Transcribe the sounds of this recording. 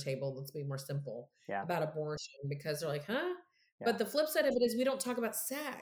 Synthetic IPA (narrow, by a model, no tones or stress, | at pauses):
tʰeɪbl̩ˠlətsb̥imɔɹsɪ̃mpl̩ˠ | əbaʊɾəbɔɹʃɨ̃nbɨkʰʌzðə˞laɪkhʌ | b̥ʌt̪̚ðəflɪpsɛɾʌvɨɾɨzwiɾõʊ̃ntʰɔkəbaʊtsɛk